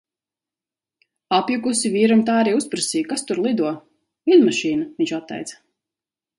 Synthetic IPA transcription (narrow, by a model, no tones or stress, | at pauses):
apjukusiviːɾamt̪aːaɾiːuspɾasiːkast̪uɾlˠid̪uɔ | ilmaʃiːnaviɲt͡ʃat̪ːɛ̰jt̪s